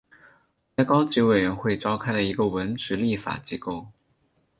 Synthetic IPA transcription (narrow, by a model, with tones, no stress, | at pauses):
ta˥˩ɪkɑ˥ʊt͡ɕi˧˥we˨˩ɪɥɛ˧˥nxwe˥˩ɪʈ͡ʂɑ˥ʊkʰa˥ɪlə˨i˧˥ɡə˧˨wə˧˥nʈ͡ʂɻ̩˧˥li˥˩fa̰˨˩t͡ɕi˧˥ko˥˩ʊ